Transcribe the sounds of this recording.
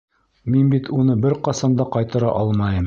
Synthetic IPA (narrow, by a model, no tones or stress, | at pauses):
minbit̪unɤbɘɾqɑsɑnd̪ɑqɑjt̪ɤ̆ɾɑ̰ʔɑlˠmɑjɤm